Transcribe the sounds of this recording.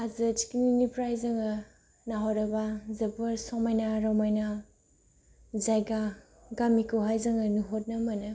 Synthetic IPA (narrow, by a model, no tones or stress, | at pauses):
azɯt͡ʃi̥kininipɾajzɐŋɯ | naɦaɾɐbazɐbɯɾsɔmajnaɾɔmajna | zajɡa | ɡamikuɦajzaŋɯnuɦot̚nɐmɐnɯ